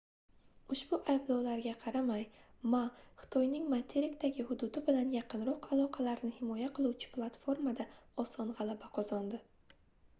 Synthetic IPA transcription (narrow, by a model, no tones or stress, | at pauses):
ʊʃbʊʔajblɒwlaɾɡʲaqʰɑɾamaj | maχɨ̥t̪ʰɒjnɪŋmat̪ʰeɾɪkt̪aɡʲɪhʊd̪ʊd̪ɪbɪlanjɑqʰɨnɾɒqalˠɒqʰɑlaɾnɪhɪmɒjaqʰɨlˠuwt͡ʃʰɪ̥plˠat̪fo̞ɾmad̪aɒsɒnʁɑlˠabaqʰɒzɒnd̪ɪ